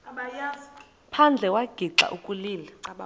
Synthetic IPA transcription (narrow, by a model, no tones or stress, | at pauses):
pʰand͡ɮʱɛkwaɡ̥ʱiǁa̰ʔukʼuliːla